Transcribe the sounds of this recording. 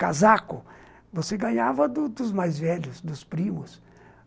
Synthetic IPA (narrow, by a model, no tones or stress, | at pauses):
kazakʊ | voseɡɐ̃ɲavɐd̪ʊd̪ʊzmajzvɛʎʊsd̪ʊspɾĩmʊs